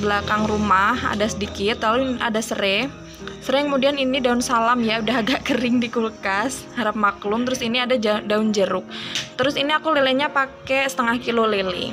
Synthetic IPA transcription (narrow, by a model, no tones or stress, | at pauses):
bəlakaŋrumaha̰dasədikɪt̪lalua̰dasəɾɛ | səɾɛkəmudianinidaʊnsalamjaudaɦadakəɾɪŋdikulkashaɾap̚maklʊmt̪əɾʊsiniadad͡ʒdaʊnd͡ʒəɾʊk̚t̪əɾʊsiniakuleleɲapakɛsə̥t̪əŋahkilolelḛ